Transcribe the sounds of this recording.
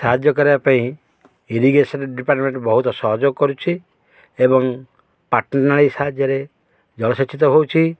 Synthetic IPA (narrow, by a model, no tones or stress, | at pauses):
saɦad͡ʒjɔkɔɾibapaĩ | iɾiɡesɔnɖipaɾʈmeɳʈbɔɦut̪ɔsɔɦɔd͡ʒokɔɾut͡ʃʰi | ebɔŋ | paɾʈnɔɾnaɭisaɦad͡ʒjɔɾe | d͡ʒɔlɔsɔt͡ʃit̪ɔbowt͡ʃʰi